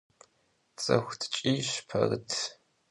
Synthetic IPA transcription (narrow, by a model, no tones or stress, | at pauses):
t͡sʼɐxʷtʰt͡ʃʼiːɕpʰɐrɨtʰ